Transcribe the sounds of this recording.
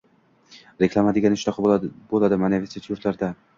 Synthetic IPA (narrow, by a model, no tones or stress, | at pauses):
ɾekʰʲlˠamad̪ɪeɡʲanɪʃʊɾɒqʰbolˠad̪ɪmaneveset̪ʰjʊɾt̪laɾd̪a